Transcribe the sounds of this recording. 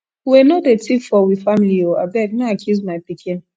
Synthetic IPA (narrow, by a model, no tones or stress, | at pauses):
wɛnodetifɔwifamilioa̰bɛɡnaakʰuzmapikʰĩ